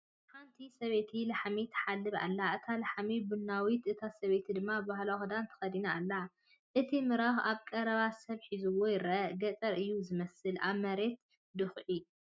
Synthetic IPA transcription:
kʰant̪ʰisɐβe̞t̪ʰilaħamit̪ʰħalːɨβa̰lːaʔɨt̪ʰalaħamibunːawit̪ʔɨt̪ʰasɐβe̞t̪ʰid̪ɨmːabahlaxd̪ant̪ʰɐ̥xɐd̪inaːlːa | ʔɨt̪ʰimɨɾaxaβkʼɐɾɐβasɐβħizuwojɪɾʔɐɡɐt͡sʼɐɾɨjːuzɨmɐsɨlʔa̰βmɐɾe̞t̪ | d̪ɨxʕi

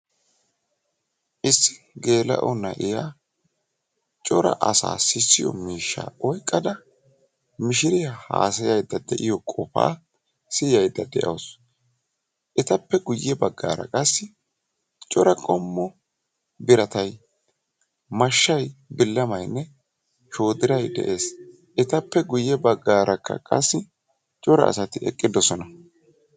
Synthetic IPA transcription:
ʔɪsːɪ̥ | ɡe̞ːlɐ̰ʔɔnːɐ̰ʔɪjaː | t͡ʃʼɔɾɐ̰ʔɐsa̰ːsɪsːɪjɔ̰miːʃːa̰ːɔjkʼːɐd̪ɐ | mɪʃɪɾɪjɐha̰ːsɐjɐjd̪ːɐd̪ɛʔɪjɔkʼɔfa̰ː | sɪjɐjd̪ːɐd̪ɛʔɐ̰ws | ʔɛt̪ɐpːɛɡʊjːɛbɐɡːa̰ːɾɐ̰kʼɐsːɪ | t͡ʃʼɔɾɐkʼɔmːɔ | bɪɾɐt̪ɐj | mɐʃːɐjbɪlːɐmɐjnːɛ | ʃo̞ːd̪ɪɾɐjd̪ɛ̰ʔe̞ːs | ʔɛt̪ɐpːɛɡʊjːɛbɐɡːaːɾɐkːɐ̰kʼɐsːɪ | t͡ʃʼɔɾɐ̰ːsɐt̪ɪɛ̰kʼːɪd̪ɔsɔnɐ

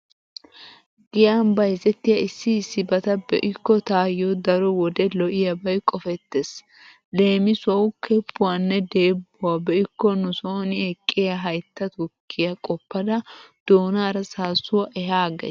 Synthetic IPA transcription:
ɡɪjaːmbɐjzɛt̪ːɪjɐɪsːɪːsːɪbɐt̪ɐbɛ̰ʔɪkːɔt̪aːjɔd̪ɐɾɔwɔd̪ɛlɔʔɪjɐbɐjkʼɔfɛt̪ːes | le̞ːmɪsʊwɐwʊkʰɛpːʊwanːɛd̪e̞ːbːʊwabɛʔɪkːɔnʊsoːnɪɛkʼːɪjɐɦɐjt̪ːɐt̪ʊkʰːɪjɐkʼɔpːɐd̪ɐd̪̥oːnaːɾɐsaːsʊwɐʔɛɦaːɡɛ̰

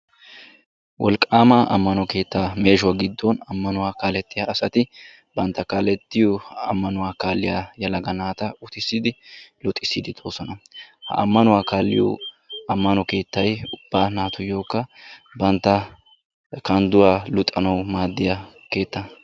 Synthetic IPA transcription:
wʔɔ̰lkʼːaːmaʔɐ̰mːɐnɔke̞ːt̪ːaːme̞ːʃʊwaːɡɪd̪ːonɐmːɐnʊwaːkaːlɛt̪ʼːɪjaɐsɐt̪ɪ | bɐnt̪ːɐkaːlɛt̪ːɪjɔɐ̰mːɐnʊwaːkaːlːɪjaːjɐlɐɡɐnaːt̪ɐʊt̪ɪsːɪd̪ɪlʊt̪ʼːɪsːɪd̪ɪd̪oːsɔnɐhɐ̰ʔɐ̰mːɐnʊwaːkaːlːɪ̰jɔ̰ | ɐmːɐnɔke̞ːt̪ːɐjʊb̥ːaːnaːt̪ʊjo̞ːkːɐbɐnt̪ːɐ | kɐnd̪ʊwaːlʊt̪ʼːɐnɐwmaːd̪ːɪja | ke̞ːt̪ːɐ

